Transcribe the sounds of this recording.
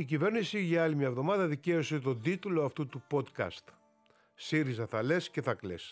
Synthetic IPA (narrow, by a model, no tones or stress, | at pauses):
icive̞ɾnisiʝɐɐlimɲɐevðo̞mɐðɐðice̞o̞set̪o̞d̪it̪ulo̞ɐft̪ut̪upo̞t̪kɐ̰st̪ | siɾizɐθɐle̞sce̞θɐkle̞̰s